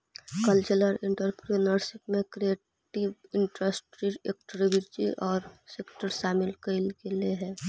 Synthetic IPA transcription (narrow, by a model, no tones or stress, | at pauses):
kəlt͡ʃələɾɪ̃ɳʈəɾpɾenəɾsɪkmẽkɾieː | ʈiʋɪ̃ɳʈɾəsʈɾiḛkʈɾibɪɾd͡ʒḭʔɔːɾsekʈəɾsaːmɪlkəɪlkelieɦɛ̃ː